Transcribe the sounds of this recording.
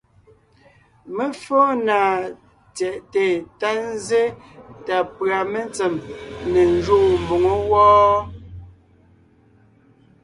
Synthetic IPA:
me˦fɔ˦na˨ | t͡sɛ˨ʔte˨ta˦n˦ze˦ | ta˨pɰa˨me˦nt͡se˨mne˨n˦d͡ʒo˦˨mbo˨ŋo˦wɔː˦

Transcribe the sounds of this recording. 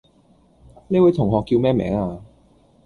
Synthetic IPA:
ne˨˥wa˨˥jt̪ʰʊ˨˩ŋɦɔː˨kːiː˧wmɛː˥mɛ̰ː˨˥ŋaː˧

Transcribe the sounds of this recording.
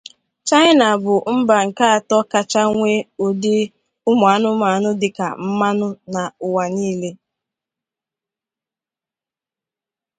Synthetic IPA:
t͡ʃa˦jɪ˦na˨bʊ˨m̩˦ba˨ŋ̩˨ka˦a˨tɔ˦ka˦t͡ʃa˦ŋʷe˦ʊ˨dɪ˦ | ʊ˦mʊ˨a˨˦nʊ˦ma˨nʊ˦dɪ˨ka̰˨m̩˦ma˦nʊ˦na˨ʊ˨wa˨niː˦le˦

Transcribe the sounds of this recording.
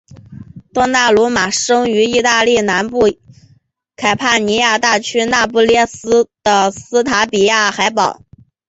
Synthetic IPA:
t̪ɑ˥ŋna˥˩lwɔ˧˥ma˨˩ʂɤ˥ŋy˧˥i˥˧t̪a˥˧li˥˩na˧˥npu˥˩ | kʰa˨˩ɪpʰa˥˩ni˧˥ja˥˧t̪a˥˩t͡ɕʰy˥na˥˧pu˥˩ljɛ˥˩sɹ̩˥d̪̥ə˨sɹ̩˥t̪ʰa˧˥pi˨˩ja˥˩xa˧˥ɪpɑ˨˩˦ʊ

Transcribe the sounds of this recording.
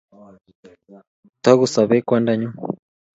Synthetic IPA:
t̪a˦ɣu˨sa˨βɛ˦kwa˦nda˦ɲu˦

